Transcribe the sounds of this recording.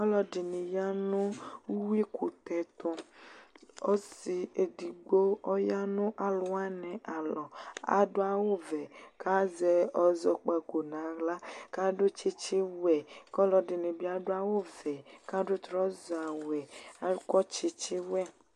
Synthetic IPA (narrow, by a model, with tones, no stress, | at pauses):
ɔ˦lɔ˨dɪ˨ni˨ja˦nʊ̃˦u˦wi˦ku˨t̪ɛ˨t̪ɔ˨ | ɔ˦si˨e˨di˨ɡ͡bo˦ɔ˦ja˦nʊ̃˦ʔa˨lʊ˦a˦nɛ̃˨ʔa˨lɔ˨a̰˨do˦a˨wo˦vɛ˨kʰa˦zɛ˨ɔ˨zɔ˨k͡pɛ˨ko˨nã˨˦ɣla˦ka˦dʊ˦t͡ʃi˦t͡ʃi˦wɛ˨kɔ˦lɔ˨dɪ˨nĩ˨bi˦a˨dʊ˦a˦wo˦vɛ˨ka˦dʊ˦t̪ɾɔ˦zɔ˨a˨wɛ˨a˨˦kɔ˦t͡ʃi˦t͡ʃi˦wɛ˦˨